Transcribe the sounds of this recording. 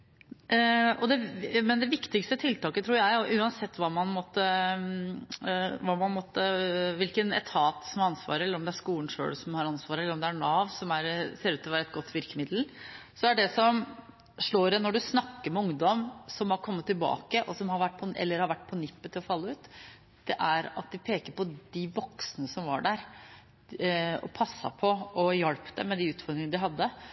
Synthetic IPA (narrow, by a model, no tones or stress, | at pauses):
ɔd̪ɛmɛnd̪ɛʋɪkt̪ɪkst̪ət̪ʰɪlt̪ɑːkət̪ʰɾuːɾjæɪɔʔʉːɑnsɛt̪ːʋɑːmɑnmɔt̪ːə | ʋɑmɑnmɔt̪ːəʋɪlkənɛt̪ʰɑːt̪sɔmɑɑnsʋɑ̰ːɾəɾɛlːəɾɔmd̪ɛæʂkuːln̩ʂø̰ːɭsɔmhɑɾɑnsʋɑːɾəɛlːəɾɔmd̪ɛæɾɳɑːʋsɔmæɾseːɾʉːt̪ʰːɪɔʋæːɾɛt̪ɡɔt̪ːʋɪɾkəmɪd̪l̩sɔæɖɛsɔm | ʂɭoːɾɛnɔɖʉsnɑkːəɾmɛʊŋd̪ɔmsɔmhɑɾkʰɔmːət̪ːɪlbɑ̰ːkəʔɔsɔmhɑɾʋæʈ̚ːpʰɔʔɛ̰lːəɾhɑɾʋæʈːpʰɔnɪpːət̪ʰːɪlɔfɑlːəʉːt̪ | d̪̥ɛʔæɾɑ̰t̪̚d̪ɪpʰeːkəɾpɔd̪ɪʋɔksnəsɔmʋɑ̰ɖæɾ | ɔ̰pʰɑsːɑ̰pʰɔɔjɛɽpd̪ɛ̰mɛd̪ɪʉːt̪fɔɾd̪ɾɪŋənəd̪ɪɦɑd̪ːə